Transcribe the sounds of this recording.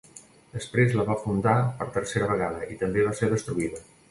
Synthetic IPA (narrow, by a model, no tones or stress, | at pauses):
d̪əspɾezləβafund̪apəɾt̪əɾseɾəβ̞əɣ̞aðəʔit̪əmbeβ̞aseɾð̞əst̪ɾuiðə